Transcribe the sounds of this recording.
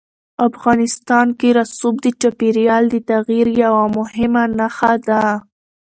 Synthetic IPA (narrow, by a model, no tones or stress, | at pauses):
afɣɑnɪst̪ɑnkeɾasubd̪ət͡ʃapiɾjɑld̪ət̪aɣjiɾjawamʊhɪmanaxad̪a